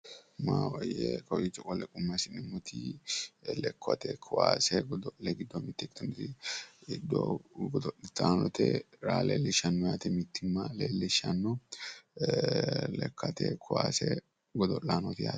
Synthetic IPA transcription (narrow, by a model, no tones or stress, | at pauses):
maːwɐjɛkɔʔit͡ʃːɔkʼɔlɛkʼʊmːɐsɪnɪmʊt̪ʰi | lɛkʰːɔ̰t̪ɛkʰʊwa̰ːsɛɡɔd̪ɔʔɛɡɪd̪ːɔmɪt̪ːɛkt̪ʊnt̪ɪɪd̪ːo̰ɡɔd̪ɔʔɪt̪aːnɔt̪ɛ̰ɾaːleːlːɪʃɐnːɔjaːt̪ɛmɪt̪ːɪmːaleːlːɛʃɐnːɔ | lɛkʰːɐt̪ɛ̰kʰʊwaːsɛ | ɡɔd̪ɔlaːnɔt̪ɪja̰ː